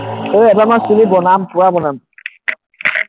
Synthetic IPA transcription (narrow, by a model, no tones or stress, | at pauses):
eɛbamasulibɔnam̩puɾabɔnam̩